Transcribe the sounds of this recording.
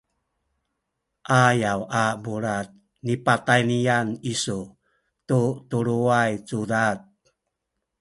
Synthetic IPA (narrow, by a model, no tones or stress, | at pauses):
ʔajawabuɾat̪̚ | nipatajnianisu | tutuɾuajt͡sudat̪̚